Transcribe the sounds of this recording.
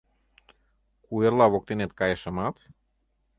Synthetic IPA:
kueɾlavok̚t̪inet̪kajeʃəmat̪

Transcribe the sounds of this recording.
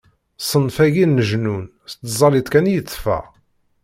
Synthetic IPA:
sˤənfæʝinːəʒnun | st̪zˤɑlit̪ˤkænjət͡sːfæ̰

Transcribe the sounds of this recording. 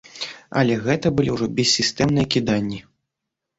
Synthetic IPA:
ɐ̰lʲɛɣɛt̪ɐbɨlʲiwʐɔbʲɛsʲːist̪ɛmnɨjɐkʲid̪anʲːi

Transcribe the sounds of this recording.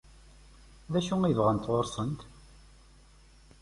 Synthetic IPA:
ðæʃuivʁənt̪ʁoɾsˤənt̪

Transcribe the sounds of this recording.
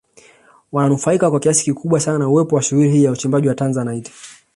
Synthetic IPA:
wananufaikakwakiasi̥kikʰuɓwasananauwɛpɔwaʃuhuɾihiːjaut͡ʃimbaʄiwatanzanajti̥

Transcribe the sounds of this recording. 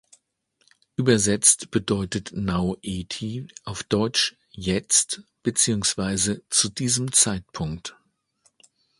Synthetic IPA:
ʔyːbɐzɛt͡stb̥ədɔʏtətnaʊʔeːtʰiʔaʊfd̥ɔʏt͡ʃ | jɛt͡stb̥ət͡siːʊŋsv̥aɪzət͡sudiːzəmt͡saɪt̚pʰʊŋkt

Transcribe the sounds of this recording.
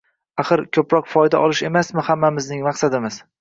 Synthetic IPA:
aχɨɾkʲʰɵpɾɒqfɒjd̪a̰ʔɒlɪʃe̞masmɪhamːamɪznɪŋmɑqsad̪ɪmɪz̥

